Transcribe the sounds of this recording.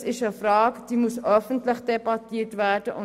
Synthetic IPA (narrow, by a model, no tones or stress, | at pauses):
sɪʃəfraːkd̥iːmusʔœfn̩tlɪçd̥ebatiːtvædəʔʊ